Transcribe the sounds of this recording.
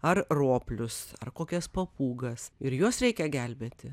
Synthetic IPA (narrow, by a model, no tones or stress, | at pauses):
ɐrroːpʲlʲʊsɐ̰rkoːkʲɛspɐpʰuːɡɐsɪɾjuɔsɾʲɛɪkʲɛɡʲælʲbʲeːt̪ʲɪ